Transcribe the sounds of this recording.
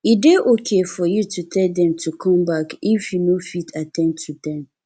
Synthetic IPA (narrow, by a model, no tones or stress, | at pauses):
ideʔokʰefɔjutʰutʰɛldɛ̃mtʰukʰɔ̃mbakifjunofitʰatʰɛ̃ntʰːudɛ̃m